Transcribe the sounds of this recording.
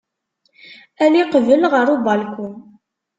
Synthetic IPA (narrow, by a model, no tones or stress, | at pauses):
æliqəvəlʁəɾˤubɑlkʷun